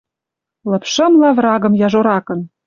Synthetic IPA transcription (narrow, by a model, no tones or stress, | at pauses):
lɤ̆pʃɤ̆mlɑvrɑɣɤ̆mjɑʒoɾɑkɤ̆n